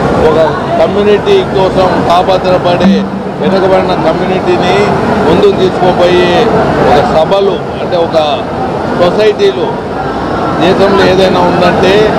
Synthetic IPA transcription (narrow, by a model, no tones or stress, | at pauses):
ɔkɐ | kɐmjuːniʈikɔːsɐmkaːpɐt̪ɐɾɐpɐɽeː | ʋinɐkɐbɐɽinɐkɐmjuːniʈiːnimund̪unt̪iːsu̥koːpoːjeːɔkɐsɐbʱɐlu | ɐɳʈe̞ːɔkɐ | sosɐjʈiːlo | d̪ɛːʃɐmloeːd̪ɐjnaːund̪ɐɳʈe̞ː